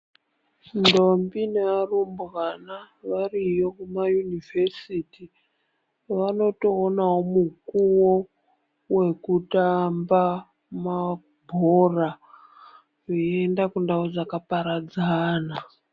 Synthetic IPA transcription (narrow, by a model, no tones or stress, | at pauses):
ndombinearumbɣana | ʋarijo̞kumajunivʱesiti | ʋano̞to̞ːnawomukuwo | we̞kutamba | ma | bʱora | ʐiendakundaod͡zakapaɾad͡zaːna